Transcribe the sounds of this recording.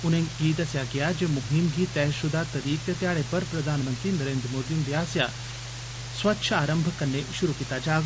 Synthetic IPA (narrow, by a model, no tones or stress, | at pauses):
unẽɡiːt̪ɐsjaɡɐjad͡ʒemʊɦimɡiːt̪ːɛːʃʊd̪ʱat̪ɐɾiːkjət̪jaːɭepəɾpɾɐd̪ʱaːnmənt̪ɾinəɾeːnd̪ɾəmoːd̪ind̪iaːsja | sʋɐtːʃʰəaːɾəmbʱkɐnːeʃʊɾukit̪ad͡ʒaː